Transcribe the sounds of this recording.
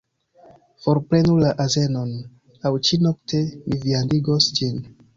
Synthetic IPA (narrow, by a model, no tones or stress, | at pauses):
fo̞ɾpɾe̞nulaʔaze̞no̞n | awt͡ʃino̞ktʰe̞miviandiɡosd͡ʒin